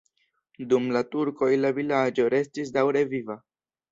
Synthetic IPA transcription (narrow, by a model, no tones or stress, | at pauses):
dumlatuɾko̞jlavilad͡ʒo̞ɾe̞stis̬dawɾe̞viva